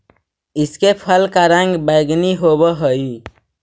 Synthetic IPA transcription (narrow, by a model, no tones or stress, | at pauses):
ɪskepʰəlkaɾãŋɡbaɪɡniɦobəɦəi